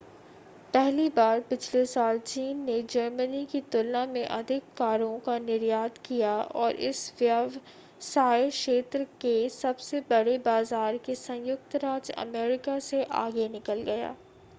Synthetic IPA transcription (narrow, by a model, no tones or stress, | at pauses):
pɛɦlibaːɾpɪt͡ʃʰlesaːlt͡ʃiːnːed͡ʒəɾmənikit̪ʊlnamẽʔɐd̪ʱɪkːaːɾõkanɪɾjaːd̪kijaɔ̰ːɾʔɪ̰sʋjaʋ | saːɪʃeːt̪ɾəkesɐbsebɐɽebaːzaːɾkesɐ̃jjʊk̚t̪ɾaːd͡ʒɐ̰meːɾɪkaseʔa̰ːɡenɪkəlɡɐja̰ː